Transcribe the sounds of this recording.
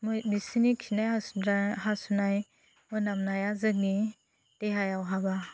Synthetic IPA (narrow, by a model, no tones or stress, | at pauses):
mɯbisinikʰinajaahasunaj | mɯnamnajazɯk̚ni | d̥eɦajawɦaba